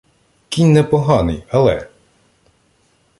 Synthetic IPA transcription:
kʲinʲnɛpɔɦɑnɪjɐlˠɛ̰

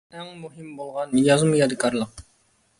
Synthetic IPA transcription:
ɛŋmuɦimbolˠʁɑnjɑzmɨjɑd̪ɨkʰɑɾlˠəq̚

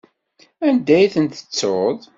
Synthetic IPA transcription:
ænd̪æjθənt̪ə̥t͡sːoðˤ

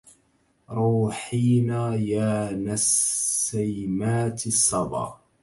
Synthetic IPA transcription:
ɾˤuːħiːnaːjaːnasːajmaːt̪sˤːɑbɑ̰

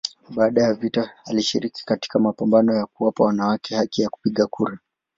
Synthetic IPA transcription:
ɓaːɗajavitaaliʃiɾiki̥kati̥kamapambanɔjakuwapawanawakɛhakɛjaku̥piɠakʰuɾa

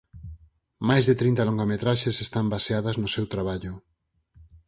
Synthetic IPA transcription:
majzðet̪ɾĩnt̪aloŋɡamet̪ɾaʃesest̪ambaseaðɐznʊsewt̪ɾaβaʎʊ

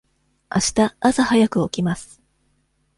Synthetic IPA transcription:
aɕi̥t̪aːsahajakɯ̟o̞kʲimasɨ̥

